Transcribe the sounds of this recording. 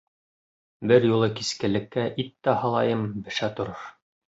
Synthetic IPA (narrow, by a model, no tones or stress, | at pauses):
bɘɾjulˠɤkiskɘ̆lɘ̆kːæʔit̪ːæhɑlˠɑjɤmbɘ̆ʃæt̪ŏɾɤɾ